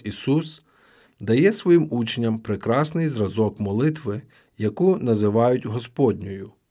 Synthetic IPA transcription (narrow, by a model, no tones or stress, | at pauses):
isus | d̪ɐjɛsʋɔjimut͡ʃenʲːɐmpɾɪkɾɑsnɪjzrɐzɔkmɔlˠɪt̪ʋɪ | jɐkunɐzɪʋɑjʊtʲɦɔspɔdʲnʲɔjʊ